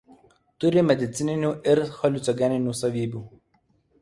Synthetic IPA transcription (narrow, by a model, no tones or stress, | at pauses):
t̪ʊɾʲɪmʲɛd̪ʲɪt̪sʲɪnʲɪnʲuːɪɾxɔlʲɪt̪sɔɡʲɛnʲɪnʲuːsɐʋʲiːbʲuː